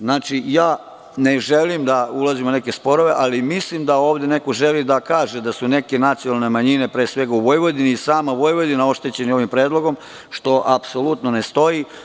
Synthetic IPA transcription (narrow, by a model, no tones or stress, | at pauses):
znaːt͡ʃijaː | ne̞ʒe̞limd̪aulazimoune̞ke̞spo̞ɾo̞ʋe̞ʔalimislimd̪aoːʋd̪e̞ne̞ko̞ʒe̞lid̪akaːʒed̪asune̞ke̞nat̪sionalˠne̞maɲine̞pɾeːsʋe̞ɡauʋo̞jʋod̪iniːsaːmaʋo̞jʋod̪inao̞ʃt̪e̞t͡ɕe̞nio̞ʋimpɾe̞ːd̪lˠo̞ɡo̞m | ʃt̪o̞ʔapso̞lut̪no̞ne̞st̪o̞i